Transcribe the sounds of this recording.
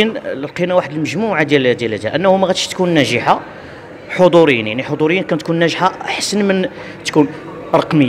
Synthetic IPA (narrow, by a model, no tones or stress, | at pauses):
ənləlqinawaħəd̪əlməʒmuʕad̪jæld̪jælæd̪æʔənːæhumæɣæt̪əʃt̪kunːæʒəħa | ħod̪ˤuɾəjːənjaʕniħod̪ˤuɾijːənkænt̪kunːæʒħaħsənmən | t̪kun | ɾˤɑqməː